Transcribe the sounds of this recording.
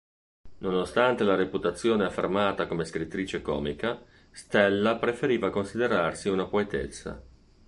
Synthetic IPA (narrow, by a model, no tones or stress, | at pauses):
nonost̪ant̪elaɾeput̪at̪sːjoːneafːḛrmaːt̪akomeskɾit̪ːɾiːt͡ʃekɔ̰ːmika | st̪ɛlːapɾefeɾiːvakonsid̪eɾarsiunapoet̪ḛt̪sːa̰